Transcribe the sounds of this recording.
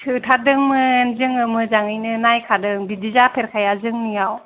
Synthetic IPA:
tʰɯtʰadɯŋmɯnzɯŋɯmɯzaŋɯjnɯnajkʰadɯŋbidizapʰeɾkʰajazɯŋnijaw

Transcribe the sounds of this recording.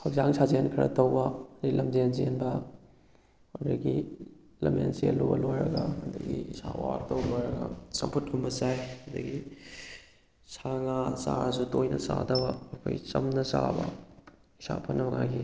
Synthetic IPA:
hʰɐɡzaŋsʰazenkʰiɾɐ̰tɐwbɐɐdɐɡilʔɐmzenzenbɐ | odɐɡi | lɐmḛnselobɐ̰lojɾɐɡɐhɐdɐɡiisawaɾtowljɾɐɡɐsɐmpʰut̚ɡʰumɐsajhɐd̪ɐɡi | saŋasaɾɐs̬utojnɐsadɐbɐːkʰojsɐmnɐsabɐ | isapʰɐnɐmɐŋajɡi

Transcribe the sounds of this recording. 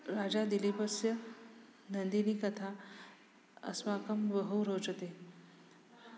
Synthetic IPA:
ɾaːd͡ʒad̪ilipəsjə | nɐnd̪iniːkɐt̪ʰa | ə̰smaːkəmbəɦuɾoːt͡ʃət̪eː

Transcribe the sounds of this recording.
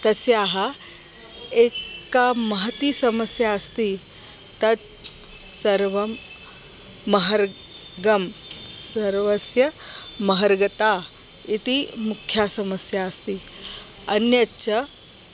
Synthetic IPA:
t̪ɐsjaːɦɐ̆ | eːkaːmɐɦɐt̪isɐmɐsjaːɐst̪i | t̪ɐt̪ | sɐɾʋɐm | ɐɦɐɾ | ɡɐmsɐɾʋɐsjɐmɐɦɐɾɡɐt̪aː | it̪imukʰːjaːsɐmɐsjaːɐst̪i | ɐnjɐtːʃʰɐ

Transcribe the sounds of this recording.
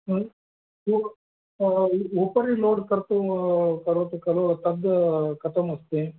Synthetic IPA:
u | upɐɾiloːɖkɐɾt̪ukɐɾot̪ukɐlot̪ɐd̪kɐt̪ʰɐmɐst̪e

